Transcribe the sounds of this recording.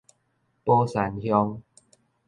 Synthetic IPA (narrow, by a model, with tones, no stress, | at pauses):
pɔ˦sa˨˩nhjɔ˧ŋ